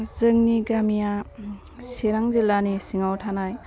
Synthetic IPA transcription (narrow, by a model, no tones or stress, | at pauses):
zɯŋniɡamija | siɾaŋzilanisiŋawtʰanaj